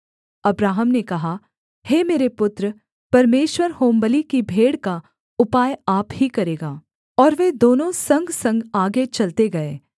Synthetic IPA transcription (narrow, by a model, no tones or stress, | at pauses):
ɐbɾaːɦəmnekɐɦa | heːmeːɾepʊt̪ɾə | pɐɾmeːʃwəɾhoːmbəlikibʱeːɽka | ʊpaːjaːphikɐɾeːɡaː | ɔːɾʋed̪oːnõsɐ̃ŋɡʱsɐ̃ŋɡaːɡet͡ʃɐlt̪eɡɐeː